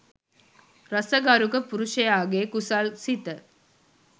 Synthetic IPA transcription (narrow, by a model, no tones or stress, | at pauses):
ɾɐsəɡaɾukəpuɾuʃəjaːɡeːkusalsit̪ə